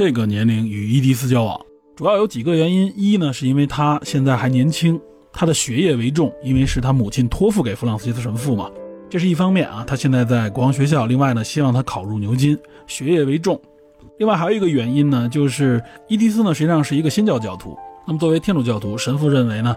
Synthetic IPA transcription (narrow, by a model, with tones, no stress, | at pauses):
ʈ͡ʂe˥˩ɡə˩njɛ˧˥nli˧˥ŋy˨˩i˥t̪̬i˥s̬ɹ̩˥t͡ɕjɑ˥ʊwɑ̰˨˩˦ŋ | ʈ͡ʂu˨˩jɑ˥˩ʊjo˧˥ʊt͡ɕi˨˩ɡə˧˦ɥɛ˧˥ni˥ni˥nə˨ʂɻ̩˥˧i˥nwe˥˩ɪt̪ʰa˥ɕjɛ˥˧nt͡sa˥˩ɪxa˧˥ɪnjɛ˧˥nt͡ɕʰi˥ŋ | t̪ʰa˥d̪ə˨ɕɥɛ˧˥jɛ˥˩we˧˥ɪʈ͡ʂʊ˥˩ŋi˥nwe˥˧ɪʂɻ̩˥˩t̪ʰa˥mu˨˩t͡ɕʰi˥˩nt̪ʰwɔ˥f̬u˥˩ke˨˩ɪfu˧˥lɑ˥˩ŋsɹ̩˧t͡ɕi˥s̩ʰ˥˧ʂə˧˥mə˧fu˥˩mɐ̰˩ʈ͡ʂɤ˥˧ʂɻ̩˥˧˥i˥˩fɑ˥ŋmjɛ˥˩nɐ̰˩t̪ʰa˥ɕjɛ˥˧nt͡sa˥˧ɪt͡sa˥˩ɪkwɑ˧˥ŋɕ̬ɥɛ˧˥ɕ̬jɑ˥˩ʊli˥˧ŋwa˥˩ɪnə˩ɕi˥wɑ˥˩ŋt̪ʰa˥kʰɑ˨˩ʊɻu˥˩njo˧˥ʊt͡ɕi˥n | ɕɥɛ˧˥jɛ˥˩we˧˥ɪʈ͡ʂʊ˥˩ŋ | li˥˧ŋwa˥˩xji˥ɡə˧ɥɛ˧˥ni˥nnə˨t͡ɕjo˥˧ʊʂɻ̩˥˩i˥t̪̬i˥s̬ɹ̩˥nə˨˩ʂɻ̩˧˥t͡ɕi˥˧ʂɑ˥˧ŋʂɻ̩˥˩i˧˥ɡə˧ɕɛ˥nt͡ɕjɑ˥˧ʊt͡ɕjɑ˥˩ʊt̪ʰṵ˧˥na˥˩ə˨t͡swɔ˥˩we˧˥ɪjɛ˥nʈ͡ʂu˨˩t͡ɕjɑ˥˩ʊt̪ʰu˧˥ʂə˧˥nfu˥˧ɻə˥˩nwe˧˥ɪnə˧